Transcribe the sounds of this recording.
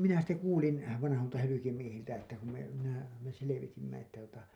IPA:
minæ sitːe kuːlin ʋɑnɑholtɑ hylykimiehiltæ etːæ ku me minæ me seleʋitimːæ etːæ tuotɑ

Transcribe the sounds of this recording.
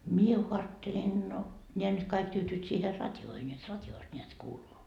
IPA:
mie ko ɑːtːelen no nʲeæ nyt kɑik tyːtyːt siːher rɑtʲjoːhen jot rɑtʲjoːst nʲeæt kuːluː

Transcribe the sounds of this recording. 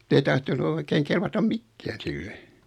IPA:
ei tɑhtonu oikeiŋ kelʋɑtɑm mikːæːn silːe

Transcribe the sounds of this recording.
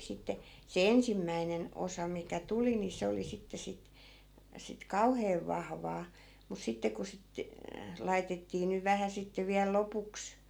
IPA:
sitːe se ensimːæinen osɑ mikæ tuli ni se oli sitːe sit sit kɑuheːʋ ʋɑhʋɑː mus sitːe ku sit lɑitetːiː nyʋ ʋæhæ sitːe ʋiæl lopuks

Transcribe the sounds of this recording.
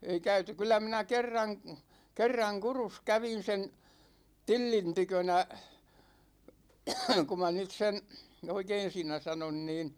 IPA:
ei kæyty kylˑæ minæ kerːɑŋ kerːɑŋ kurus kæʋin̞ sen tilːin tykønæ ku mɑ nyt sen̞ oikein siːnæ sɑnon niːn

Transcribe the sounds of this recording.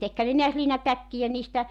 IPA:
tekhæn ne niæs liːnɑtækːijæ niːstæ

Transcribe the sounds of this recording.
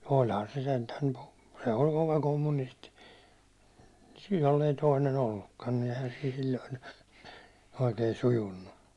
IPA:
o ihɑn se sentæŋ ku se olʲ koʋɑ komːunisti jolːei toinen olːukːɑn ni eihæn siːn̞ silʲːoin oikei sujunːu

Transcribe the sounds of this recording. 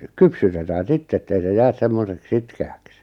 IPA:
kypsytetæː sitː etːei se jæs semːosek sitkeæks

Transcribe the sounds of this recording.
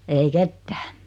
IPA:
ei ketːæ̥ː

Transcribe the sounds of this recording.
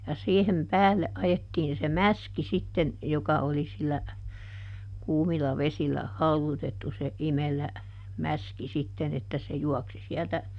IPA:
jɑ siːhem pæːlːe ʔɑjetːiːn se mæski sitːen jokɑ oli silːæ kuːmilɑ ʋesilˑæ hɑuðutetːu se imelæ mæski sitːen etːæ se juɔksi siɛltæ

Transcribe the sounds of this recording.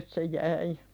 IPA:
se jæi

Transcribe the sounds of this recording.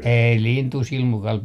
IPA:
ei lintuˑ silmukɑl

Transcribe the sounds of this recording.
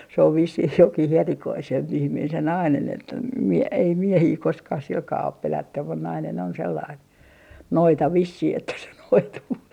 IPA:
se oʋ ʋisːih jokih erikoisemp ihmiːn se nɑinen etːæ m ei miehiː koskɑːh silkɑː op pelætːym mun nɑinen on selːɑin noitɑ ʋisːih etːæ se noituː

